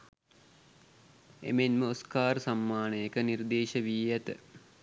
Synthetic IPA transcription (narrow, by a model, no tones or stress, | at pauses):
ḛmenməoskaːɾəsamːaːnəjekənird̪eːʃəʋiːjæt̪ə̰